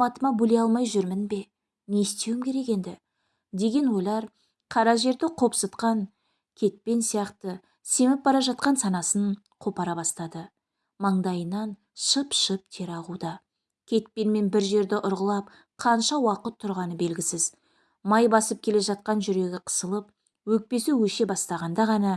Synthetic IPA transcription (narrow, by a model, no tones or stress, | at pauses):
mɑt̪əmɑbɵle̞ɑlˠmɑjʒʏɾmɪnbe̞ | ne̞st̪e̞wɪmkʲʰe̞ɾe̞ke̞nd̪ɪ̰ | d̪e̞ɡʲe̞nwo̞jlˠɑɾ | qʰɑɾɑʒe̞ɾd̪ɪqʰo̞psət̪qɑŋ | kʲʰe̞t̪̚pe̞nsijɑqt̪ə | se̞mɪp̚bɑɾɑʒɑt̪̚qɑnsɑnɑsən | qʰo̞pɑɾɑbɑst̪ɑd̪ə | mɑɴd̪ɑjənɑn | ʃəpʃəp̚t̪ʰe̞ɾɑʁud̪ɑ | kʲʰe̞t̪̚pe̞nme̞nbɪɾʒe̞ɾd̪ɪʔʊɾʁəlˠɑp̚ | qʰɑnʃɑwɑqət̪ʰːʊɾʁɑnəbe̞lɡʲɪsɪz̥ | mɑjbɑsəp̚kʲʰe̞le̞ʒɑt̪̚qɑnʒʏɾe̞ɡʲɪqʰə̥səlˠəp̚ | wɵk̚pe̞suwɵʃe̞bɑst̪ɑʁɑnd̪ɑʁɑnɑ